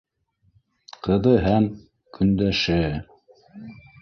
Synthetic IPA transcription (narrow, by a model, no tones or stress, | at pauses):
qʰɤ̆ðɤɦæm | kʰɵ̆nd̪æʃɘ